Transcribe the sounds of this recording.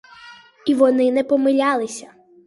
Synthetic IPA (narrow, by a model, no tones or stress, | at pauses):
iʋɔnɪnɛpɔmɪlʲɑlˠɪsʲɐ